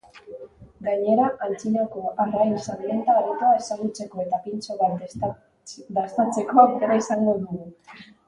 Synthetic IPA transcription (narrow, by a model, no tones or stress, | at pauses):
ɡaɲe̞ɾaʔant͡sinako̞arɣajnsanent̪aːɾit̪ae̞saɣut͡se̞ko̞e̞t̪apint͡soβa | d̪ast̪at͡se̞ko̞akt̪eɾaisaŋɡo̞ðuɣu